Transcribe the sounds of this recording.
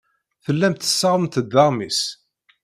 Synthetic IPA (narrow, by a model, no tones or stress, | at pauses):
θəlːæmt̪ə̥sːəʁəmt̪əd̪ːɑʁmis